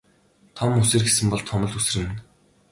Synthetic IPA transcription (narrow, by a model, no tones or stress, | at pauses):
t̪ʰɔmuseːrɡesɘ̆mpɔɮt̪ʰːɔmɞ̆ɮt̪us̆rɘ̆n